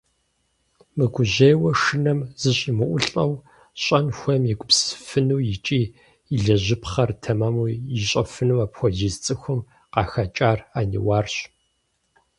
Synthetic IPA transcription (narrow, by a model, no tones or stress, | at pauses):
mɨɡʷʊʑejwɐʂɨnɐmz̥ɨɕʼimɨʔʷʊɬʼɐw | ɕʼɐnxʷɔmjiɡʷʊpsfɨnuːjɪt͡ʃʼiː | iɮɐʑɪpχɐrtʰɐmamuːjɪɕʼɐfɨnuwaːpxʷɔʒiːst͡sʼɨxʷʊm | qɑːxɐt͡ʃʼaːraːnḭwaːrɕ